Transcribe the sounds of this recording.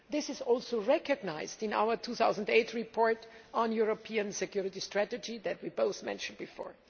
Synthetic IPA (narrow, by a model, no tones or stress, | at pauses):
ðɪsɪzɔlˠsoʊɹɛkɨɡnaɪzdɪ̃na̰ʊə˞tʰuθaʊzə̃n̩deɪtɹipʰɔɹtɔ̃njuɹopʰiə̃nsɛkʰjuɹɪtistɹætɨd͡ʒiðɨt̚wiboʊθmɛ̰̃nʃə̃n̩d̚bɪfɔ̰ɹ